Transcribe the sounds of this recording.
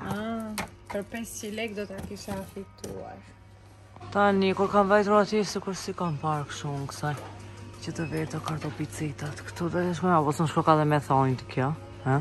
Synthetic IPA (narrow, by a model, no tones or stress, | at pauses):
a | pəɾpɛssilɛkd̪ɔt̪akiʃɛafikt̪ua̰ɾ | t̪anikuɾkamvajt̪uɾat̪isikuɾsikampaɾkʃumksajcət̪əvɛt̪ɔkaɾt̪ɔpit͡sit̪at̪kə̥t̪ud̪ɛlɛʃ̬kɔmabɔsɔnʃkɔkaðɛmɛθɔnt̪əkʰjɔ | ɛ